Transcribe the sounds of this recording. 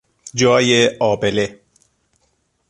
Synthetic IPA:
d͡ʒɒːjeɒːbele

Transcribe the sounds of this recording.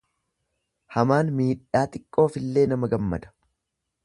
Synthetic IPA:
hɐmaːnmiːᶑaːt̪ɪkʼːo̞ːfɪlːe̞ːnɐmɐɡɐmːɐ̰d̪ɐ̥

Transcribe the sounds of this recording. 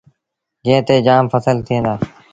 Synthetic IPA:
d͡ʒẽːt̪eːd͡ʒaːmfəsəlt̪ʰiə̃ːnd̪aː

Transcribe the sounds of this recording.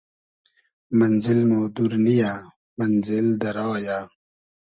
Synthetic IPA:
mɐnzilmoːd̪uɾnija | mɐnzɪld̪ɐɾaːjaː

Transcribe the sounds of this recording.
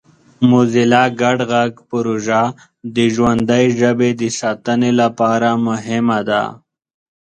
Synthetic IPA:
muzilaɡaɖɣaɡpʊɾoʒa | d̪əʒwand̪əjʒabed̪əsɑːt̪ənelapɑɾamʊɦɪmad̪a̰

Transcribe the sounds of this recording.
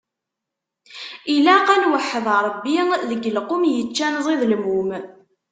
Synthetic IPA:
ilæqænwəħəðˤɾˤəbːiðəɡəlqʊmjət͡ʃːænzˤiðlmum

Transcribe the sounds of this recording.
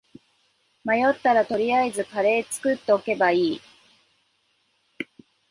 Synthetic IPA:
majo̞t̪ːaɾat̪o̞ɾʲijaezɨkaɾe̞ːt͡sɨ̥kɯ̟t̪ːe̞oke̞baiː

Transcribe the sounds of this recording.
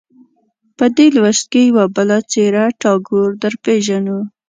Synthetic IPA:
pəd̪elwəst̪̚kejawabəlat͡seɾaʈɑɡoɾd̪əɾpeʒanu

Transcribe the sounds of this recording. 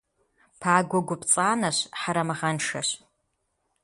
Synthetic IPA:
pʰaːɡʷɔɡʷʊpt͡sʼaːnɐɕħaɾɐmɨʁɐnʂɐ̰ɕ

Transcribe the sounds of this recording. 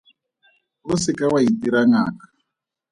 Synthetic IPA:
βusikawaitiɾaŋa̰ːkḁ

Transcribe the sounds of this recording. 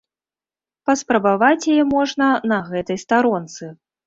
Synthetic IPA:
pɐspɾɐbavat͡sʲjajɛmɔʐnɐnɐɣɛt̪ɐjst̪aɾɔnt̪sɨ

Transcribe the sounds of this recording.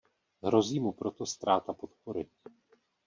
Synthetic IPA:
ɦɾo̞ziːmupɾo̞t̪o̞st̪ɾaːt̪apo̞t̪poɾɪ

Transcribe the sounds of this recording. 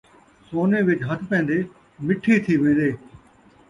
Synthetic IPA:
soːneːʋɪt͡ʃɦət̪ʰpẽːn̆d̪eː | mɪʈʰit̪ʰiʋẽːnd̪eː

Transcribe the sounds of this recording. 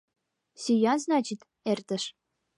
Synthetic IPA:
sʲyjɑnznɑt͡ɕit̪ | ert̪ə̆ʃ

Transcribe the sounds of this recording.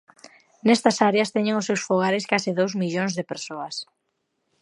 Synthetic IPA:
nɛst̪ɐsaɾeɐst̪ɛɲeŋʊsːewsfoɣ̞aɾɪskasɪðowzmiʎoŋzðɪpeɾsoɐs

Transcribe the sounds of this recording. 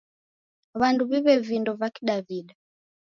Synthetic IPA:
βanduβiβɛvindɔvakiɗaviɗa

